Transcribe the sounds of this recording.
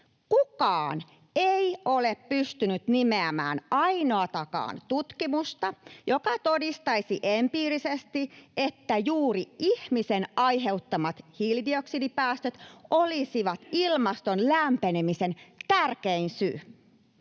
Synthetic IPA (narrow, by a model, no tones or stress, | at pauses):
kukɑːn | eioleppyst̪ynyt̪nimeæmæ̰ːnɑino̞ɑt̪ɑkɑ̰ːnt̪ut̪kimust̪ɑjo̞kɑt̪odist̪ɑisiʔempiːrisest̪iet̪ːæjuːɾiihmisenɑjɦe̞ut̪ːɑmɑt̪hildio̞ksidipæːst̪øt̪ʔolisiʋɑt̪ilmɑst̪onlæmpenemise̞nt̪ærkeinsy̰ː